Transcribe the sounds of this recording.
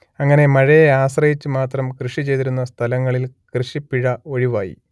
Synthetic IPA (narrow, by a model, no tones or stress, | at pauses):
ɐŋːɐne̞mɐɻɐjeaːɕrɐjit͡ɕːɨmaːt̪rɐmkrɨʂit͡ɕe̞jt̪iɾunːɐst̪ʰɐlɐŋːɐɭilkrɨʂipːiɻɐo̞ɻiʋaːjḭ